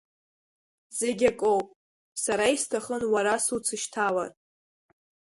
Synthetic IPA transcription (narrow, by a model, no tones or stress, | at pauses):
z̥e̞ɡʲakʼowpʼ | saɾaistʰaχənwaɾasut͡sʰɨʃtʰala̰r